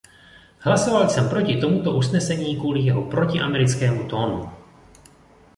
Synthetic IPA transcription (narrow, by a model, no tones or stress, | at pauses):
hlasovalsɛmpɾo̞cɪt̪o̞mut̪oʔusnɛsɛɲiːkvuːlijɛɦopɾo̞cɪʔamɛɾɪt͡skɛːmut̪o̞ːnṵ